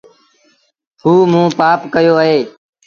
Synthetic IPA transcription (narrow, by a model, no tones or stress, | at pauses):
huːmũːpaːpkəjoːəɦeː